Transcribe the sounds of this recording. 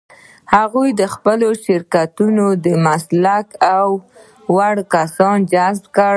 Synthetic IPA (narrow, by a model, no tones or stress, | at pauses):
haɣujd̪əxpəloʃɪɾkat̪unod̪əmaslakaw | waɽkasɑnd͡ʒazbkəɽ